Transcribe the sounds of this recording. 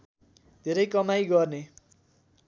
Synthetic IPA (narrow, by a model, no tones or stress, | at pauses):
d̪ʱeɾʌjkʌmajɡʌrne